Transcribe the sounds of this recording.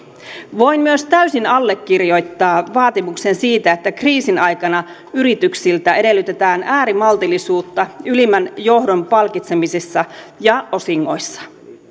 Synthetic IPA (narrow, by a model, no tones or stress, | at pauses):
ʋo̞jmyøst̪æysinɑlːe̞kːirjo̞jt̪ːɑːʋɑːt̪imukse̞nsiːt̪æe̞t̪ːækriːsinɑjkɑnɑ | yɾit̪yksilt̪æe̞de̞lːyt̪e̞t̪æːnæːɾimɑlt̪ilːisuːt̪ːɑylimænjo̞hdo̞mpɑlkit̪se̞misesːɑjɑo̞siŋːo̞jsːɑ̥